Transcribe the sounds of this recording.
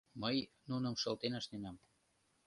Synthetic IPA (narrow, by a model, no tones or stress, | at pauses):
məj | nunə̆mʃɤ̆lt̪enəʃnenɑm